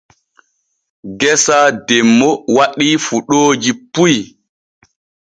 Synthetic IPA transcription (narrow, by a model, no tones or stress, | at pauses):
ɡɛsaːdɛmːɔwaɗifuɗoːd͡ʒipuj